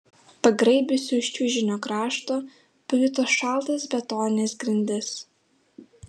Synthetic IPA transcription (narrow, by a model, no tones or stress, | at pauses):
pɐɡɾɐɪbʲʊsʲʊɪʃʲt͡ʃʲʊʒʲɪnʲoːkɾɑːʃt̪oː | pʲlʲɪt̪oʃɑˑlˠt̪ɐsbʲɛt̪oːnʲnʲesɡɾʲɪnʲd̪ʲɛs